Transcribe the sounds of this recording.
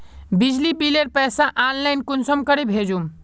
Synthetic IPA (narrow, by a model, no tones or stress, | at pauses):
bid͡ʒlibileɾpɛːsaʔanlaɪnkunsəmkəɾebʱed͡ʒum